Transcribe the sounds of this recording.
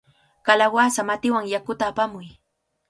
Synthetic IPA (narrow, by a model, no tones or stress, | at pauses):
kalawasamat̪ɪwaŋjakʊt̪aːpamʊj